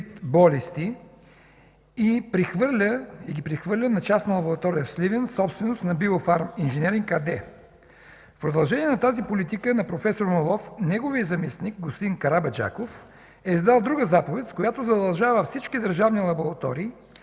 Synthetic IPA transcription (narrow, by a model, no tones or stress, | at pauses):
t̪bɔlist̪i | ipɾixvəɾlʲəiɡʲipɾixvɤɾlʲənɐt͡ʃasnɐlˠɐboɾɐt̪ɔɾijəfslivɛnsɔpst̪vɛnost̪nɐbiofaɾminʒɛnɛɾiŋkad̪ɛ | fpɾod̪ɐlˠʒɛniɛnɐt̪azipolit̪ikənɐpɾofɛsoɾmolˠɔfnɛɡoviəzɐmisnik̚ɡospt̪inkɐɾabɐd͡ʒa̰kof | ɛizd̪alˠd̪ɾuɡəzapovɛt̪ʲskojat̪ozɐd̪ɐlˠʒavəfsit͡ʃkid̪əɾʒavnilˠɐboɾɐt̪ɔɾiː